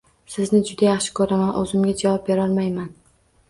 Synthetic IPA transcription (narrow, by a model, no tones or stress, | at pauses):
sɪznɪd͡ʒʊd̪ajaχʃɪ̥kʰɵɾamanʔɵ̰zɪmɡʲad͡ʒavɒp̚beɾɒlˠmajman